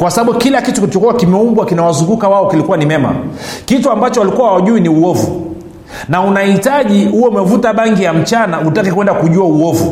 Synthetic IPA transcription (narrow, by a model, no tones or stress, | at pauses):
kwasaɓaɓukilakitukiit͡ʃɔkuwakimɛumbwakinawazuŋɡukawaɔkilikuwanimɛma̰kituambat͡ʃɔwalikuwawaʄuiniuɔvṵ | naunahitaʄihuwɔumɛvutaɓaŋɡijam̩t͡ʃanautakɛkwɛndakuʄuauɔvṵ